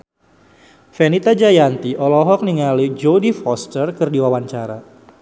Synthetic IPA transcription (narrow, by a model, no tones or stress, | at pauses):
fɛnit̪ad͡ʒajant̪iʔɔlɔɦɔk̚niŋalid͡ʒodifɔst̪ərkɨrdiwawaɲt͡ʃaɾa̰